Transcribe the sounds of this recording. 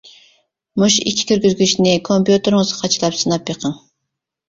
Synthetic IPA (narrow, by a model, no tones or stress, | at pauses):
muʃḭkʲʰi̥kʲyɾɡʲyzɡʲyʃnɪkʰompjut̪ɨɾŋɨzqʰɑt͡ʃʰlˠɑpsɨnɑpjeqʰəŋ